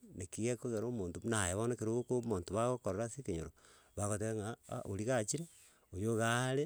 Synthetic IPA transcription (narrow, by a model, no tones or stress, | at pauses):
nekijekoɣeɾomoːntonajeβonakeɾoɣokomontoβaɣokoɾoɾasikeɲoɾo | βaɣoteɣeŋaa̰ʔo̰liɣat͡ʃiɾe | ojoɣale